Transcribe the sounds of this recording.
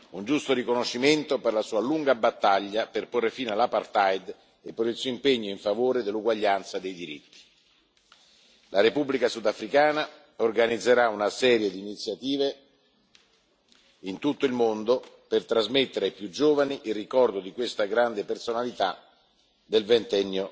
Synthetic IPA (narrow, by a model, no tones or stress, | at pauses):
und͡ʒust̪oɾikonoʃːiment̪operlasuːaluŋɡabat̪ːaʎːaperporːefiːnalapart̪ajd̪ | epːeɾilsuːoimpeɲːoiɱfavoːɾed̪elːuɡwaʎːant̪sad̪ejd̪iɾḭt̪ːi̥ | lʔaɾepubːlikasud̪afɾikaːna | orɡanid̪zːeɾaunasɛːɾjed̪iːnit̪sːjat̪iːve | int̪ut̪ːoilmond̪o | pert̪ɾazmet̪ːeɾeajpjud͡ʒːoːvaniʔilrikɔrd̪od̪ikwest̪aɡɾand̪epersonalit̪a | d̪elvent̪ɛnːo